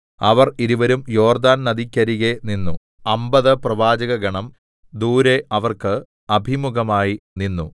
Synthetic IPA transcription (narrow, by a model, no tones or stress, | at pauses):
ɐʋɐriɾuʋɐɾumjo̞ːrd̪aːnnɐd̪ʱikʲːɐɾiɣeninːu | ɐmbɐðɨprɐʋaːd͡ʑɐɣɐɡɐɳɐm | d̪uːɾeʔɐʋɐrkɨ | ɐbʱimuɡɐmaːjininːu